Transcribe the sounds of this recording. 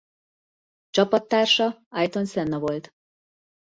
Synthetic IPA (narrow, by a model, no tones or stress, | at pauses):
t͡ʃɒpɒt̪ːaːrʃɒɒjt̪o̞nsɛnːɒvo̞lt̪